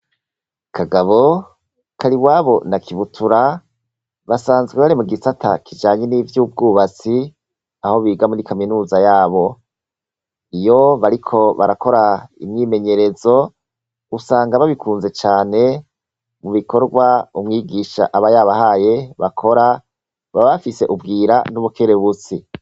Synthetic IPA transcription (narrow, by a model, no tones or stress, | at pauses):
kʰaɡaβo̞ | kʰaɾiwaːβo̞nakʰiβutʰuɾa | βasaːnzɡweβaɾimuɡisatʰa̰kʰid͡ʒaːɲenivjuːb̚ɡuːβat͡si | aho̞βiːɡamuɾikaminuːzajaːβo̞ | ijo̞βaɾikʰo̞βa̰ɾako̞ɾaḭmŋiːme̞ɲe̞ɾe̞zo̞ | usaːŋɡaβaβikʰuːnze̞t͡ʃaːne̞ | muβikʰo̞ɾɡwaumŋiːɡiʃa̰ʔaβajaβahaːje̞βakʰo̞ɾa | βaβafise̞ʔubɡiːɾanuβukʰeɾeβut͡si